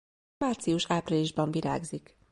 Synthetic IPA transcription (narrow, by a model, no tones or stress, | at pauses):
aːrt̪sijuʃaːpriliʒbɒɱviɾa̰ːɡzik